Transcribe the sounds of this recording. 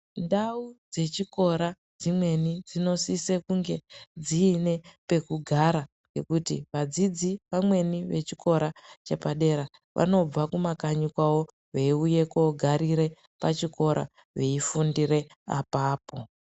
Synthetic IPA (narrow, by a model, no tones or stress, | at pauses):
ndaud͡ze̞t͡ʃiko̞ɾa | d͡zimwe̞nid͡zino̞sise̞kuŋɡe̞d͡ziːne̞pe̞kuɡʱaɾa | ŋɡe̞kutiʋad͡zid͡ziʋamwe̞niʋe̞t͡ʃikʰo̞ɾat͡ʃe̞paɗe̞ɾa | ʋʔa̰no̞b͡vakumakaɲukwawo̞ | ʋe̞iuje̞koɡʱaɾiɾe̞ | pat͡ʃiko̞ɾʔa̰ | ʋe̞ifundiɾe̞ | a̰paːpo